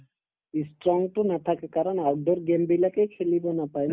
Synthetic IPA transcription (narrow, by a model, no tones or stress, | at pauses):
isʈɾɔŋʈunat̪ʰakekaɾɔnawɖɔɾɡembilakejkʰelibonapaj